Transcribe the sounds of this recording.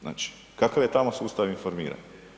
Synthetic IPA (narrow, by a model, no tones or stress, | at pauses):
na̰ːt͡ʃi̥ | kakaʋje̞t̪amosuːst̪aʋinfo̞ɾmḭːɾa̰ɲ